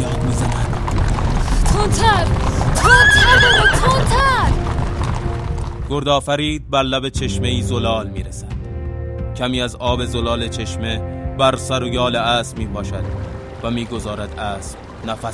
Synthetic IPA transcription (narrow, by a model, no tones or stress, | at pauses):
jɒːd̪mizænæd̪̥ | t̪ʰont̪ʰæɾt̪ʰont̪ʰæɾot̪ʰont̪ʰæɾ | ɡ̥oɾd̪ɒːfæɾiːd̪̚bæɾlæbe̞t͡ʃʰe̞ʃme̞iːzolɒːlmiːɾesæd̪̥cʲʰæmiːæzɒːbe̞zolɒːle̞t͡ʃʰe̞ʃme̞bæɾsæɾojɒːleæːsmiːpʰɒːʃæd̪̥ | væmiːɡo̞zɒːɾæd̪æːs | næfæ